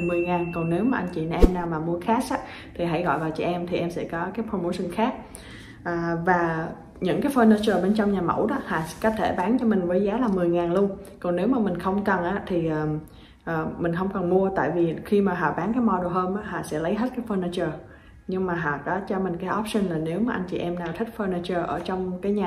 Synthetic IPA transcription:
mɨ˨˩əjŋaː˨˩nkɔ˨˩wne˨˦wmaː˨˩ʔa˧jŋ̟t͡ɕḭ˧˨n˨˧ʔɛ˧mnaː˨˩wmaː˨˩mu˧əxaː˦˥sʔaː˦ | t̪ʰi˨˩ɦa̰˧˥jɣɔ̰˧˨jvaː˨˩wt͡ɕʔɛ˧mt̪ʰi˨˩ʔɛ˧msɛ̰˧˥kɔ˨˦kaː˨˦jpʰɹo˧mo˧sə˧˩nxaː˦˥k̚ | ʔəː˨˩vaː˨˩ | ɲɨ̰˧˥ŋkaː˨˦jfəː˧nə˧t͡ɕəː˨˩ɓe˧nt͡ɕɔ˧wŋ͡mɲaː˨˩mə̰˧˥wɗɔ̰˨˦˥ha̰ː˧˨˧kɔ˨˦t̪ʰe˧˩ɓaː˨˦nt͡ɕɔ˧mï˨˩ŋ̟vəː˨˦jzaː˨˦laː˨˩mɨ˨˩əjŋaː˨˩nlu˧ən | kɔ˨˩nne˨˦wmaː˨˩mï˨˩ŋ̟xə˧wŋ͡mkə˨˩nʔaː˨˦˥t̪ʰi˨˩ʔəː˨˩ | ʔəː˨˩mï˨˩ŋ̟xə˧wŋ͡mkɔ˨˩nmu˧ət̪a̰ː˧˨jvi˨˩xi˧maː˨˩ɦɔ̰ː˨˩ɓaː˨˦nkaː˨˦jmɔ˧ɗo˨˩ɦəː˧mʔaː˨˦ɦa̰ː˧˨˩sɛ̰˧˥lə˨˦jɦe˦˥t̚kaː˨˦jfəː˧ni˧t͡ɕəː˨˩ | ɲɨ˧ŋmaː˨˩ɦɔ̰˨˩kɔ˨˦t͡ɕɔ˧mï˨˩ŋ̟kaː˨˦jʔɔ˦˥p̚sï˧ŋlaː˨˩ne˨˦wmaː˨˩ʔa˧jŋ̟t͡ɕḭ˧˨ʔɛ˧mnaː˨˩wt̪ʰï˥k̟̚fəː˧nə˧t͡ɕəː˧˩ʔəː˧˩t͡ɕɔ˧wŋ͡mkaː˨˦jɲaː˨˩

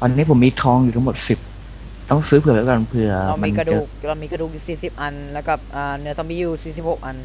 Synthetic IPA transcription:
wʔa˧nːiː˦˥pʰo˩˦mːiː˧t̪ʰɔː˧ŋjuː˨˩a˦˥ŋmo˨˩t̪̚si˨˩p̚ | t̪ɔ˥˩ŋsɯː˦pʰɯ˨˩ɐ˩lɛː˨˦˥wka˧npʰɯ˧ɐ˧ma˧iː˧nka˧dua˧˨˩k̚a˧miː˧ka˧duː˨˩k̚ju˨˩siː˨˩si˨˩p̚ʔa˧nlɛː˦˥ka˨˩p̚ʔaː˨˩nɯ˩˦ɐsa˧mbiː˧juː˧siː˨˩si˨˩p̚ho˨˩k̚ʔa˧n

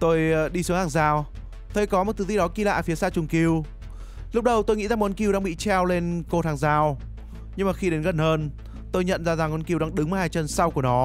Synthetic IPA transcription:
t̪o˧jɗi˧su˨˦ŋhaː˧˨˩ŋzaː˧˩w | t̪ʰə˨˧˩jkɔ˨˦m˨˩t̚t̪ɨ˨˧˩zi˧˩ɗɔ˨˦ki˧la̰ː˧˨fi˨˦əsaː˧t͡ɕʊ˧˩ŋ͡mki˧əw | lʊ˦˥k͡p̚ɗə˧wt̪o˧jŋḭ˧˥za˨˩m˨˦nki˧wɗaː˧ŋɓḭ˧˨t͡ɕɛ˧wle˧nko˧t̪ʰaː˨˩ŋzaː˧˩w | ɲɨ˧ŋmaː˨˩xi˧ɗe˨˦nɣə˨˩nhəː˧n | t̪o˧jɲə̰˧˨nzaː˧za˨˩ŋʔnki˧wɗaː˧ŋɗɨ˨˦ŋmə˨˩haː˧jt͡ɕə˧˩nsa˧wku˧˩ənɔ˨˦

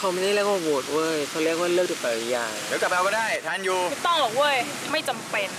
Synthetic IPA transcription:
kʰa˧wma˥˩da˥˩liː˥˩k̚waː˧˩woː˨˩t̪̚wəː˧˩jkʰa˧˩˧li˥˩ək̚waː˥˩lk̚t̪ːpɛː˨˩˧jaː˨˩ŋd̪e˨˦wka˨˩p̚ɾa˧kɔː˥˩daː˥˩jt̪ʰa˥˩˨njuː˧˥˩t̪ɔ˥˩ŋlɔː˨˩k̚wəː˥˩˨j | ma˥˩jt͡ɕa˧mpe˧n

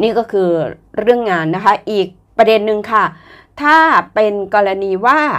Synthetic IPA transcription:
niː˥˩kɔː˥˩kʰɯː˧ | ɾɯ˥˩əŋːaː˧nːa˦˥kʰa˦˥ʔiː˨˩k̚pɾa˧de˧nːɯ˧ŋkʰa˥˩ | t̪ʰaː˥˩pe˧nkɔː˧ɾa˧niː˧waː˥˩

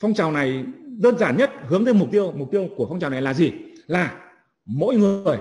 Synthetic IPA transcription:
fɔ˧wŋ͡mt͡ɕaː˨˩wna˨˩jɗəː˧nzaː˧˩nɲə˦˥t̚hɨ˨˦əŋt̪əː˨˧˦jmʊ˨˩k͡p̚t̪i˧əwm˨˩k͡p̚t̪i˧əwku˧˩əfa˧ŋ͡mt͡ɕaː˨˩wna˨˩jlaː˨˩zi˨˩laː˨˩ | mo̰˧˥˦jŋɨ˨˩əj

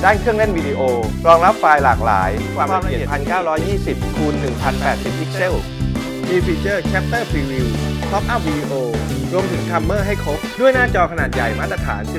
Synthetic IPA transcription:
daː˥˩nkʰɯ˥˩əŋle˥˩nwi˧diː˧ʔoː˧ɾɔː˧ŋɾa˦˥p̚faː˧jlaː˨˩k̚la̰ː˩˦jkwaː˧˩m˥˩i˨˩˨pʰa˧nkaː˥˩wɾɔː˦˥jːiː˥˩si˨˩p̚kʰuː˧nːɯ˨˩ŋpʰa˧npɛː˨˩t̪̚si˨˩p̚ʔi˦˥k̚se˥˩ | iː˧fiː˧t͡ɕɤː˥˩kʰɛ˦˥p̚t̪ɤː˥˩pʰiː˧wiː˧wkʰɔ˦˥p̚ʔa˥˩p̚wi˧diː˧ʔoː˧ɾu˧əmt̪ʰɯ˩˦ŋt̪ʰa˧mːɤː˥˩ɦa˥˩jkʰa˦˥w̚du˥˩əjnaː˥˩t͡ɕɔː˧kʰa˧naː˨˩t̪̚ja˨˩jmaː˥˩t̪ːɾa˧t̪ʰa̰ː˩˦ns

